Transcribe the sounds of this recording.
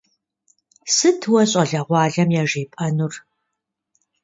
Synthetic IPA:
sɨtʰwɐɕʼɐɮɐʁʷɑːɮɐmjaːʒiːpʼɐnur

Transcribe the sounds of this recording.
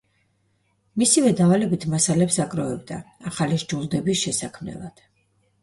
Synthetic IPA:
misivɛd̪avalɛbit̪ʰmasalɛpsakʼɾɔvɛb̚d̪a̰aχaliʒd͡ʒulˠd̪ɛbisʃɛsakʰmnɛ̰lˠad̪̥

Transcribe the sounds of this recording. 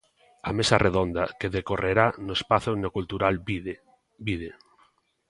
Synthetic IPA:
amesarʔeðond̪akeðekoreɾanʊespaθʊnokult̪uɾal | biðe

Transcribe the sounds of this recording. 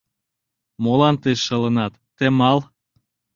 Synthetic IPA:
molɑnt̪eʃːə̆lənɑt̪ːemɑl

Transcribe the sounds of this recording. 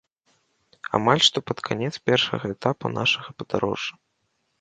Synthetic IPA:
a̰malʲʂt̪ɔpɐt̪kʰanʲɛt̪spʲɛrʂɐ̰ɣɐɛt̪apṵnaʂɐɣɐpɐd̪̥aɾɔ̰ʐːɐ

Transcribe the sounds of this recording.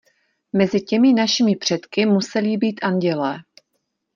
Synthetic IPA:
mɛzɪcɛmɪnaʃɪmɪpr̝̥ɛt̪kɪmusɛlibiːt̪ʔanɟɛlɛː

